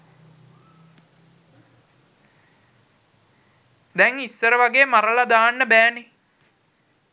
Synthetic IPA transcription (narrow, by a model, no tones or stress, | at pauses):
d̪ɛŋisːəɾəʋaɡeːmaɾəlad̪aːnːəbæːne